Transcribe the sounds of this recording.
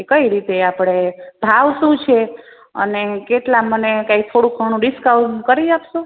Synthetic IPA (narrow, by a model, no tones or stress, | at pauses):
kəiɾit̪eapɽ̃eb̥ʱaʋʃũt͡ʃʰe | ə̰nekeʈlamənekait̪ʰoɽũkʰəɳ̃ũɖiskawkəɾid͡ʒapʃũ